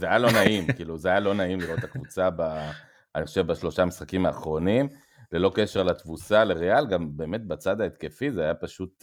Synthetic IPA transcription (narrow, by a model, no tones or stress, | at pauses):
zeajalo̞naimkiːluzeajalo̞naimliʁo̞t̪hakvut͡saba | aniχoʃevbaʃlo̞ʃamisχakimaːχʁo̞nim | le̞lo̞ke̞ʃe̞ʁlatvusaleʁealɡambe̞ːme̞t̪̚bat͡sad̪aet̪ke̞fizeajapaʃut̪